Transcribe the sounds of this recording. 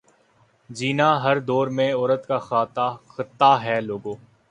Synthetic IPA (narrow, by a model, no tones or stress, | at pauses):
d͡ʒiːnaːɦɐɾd̪ɔːɾmẽɔːɾət̪kaxaːt̪axɪt̪ːaɦɛːloːɡoː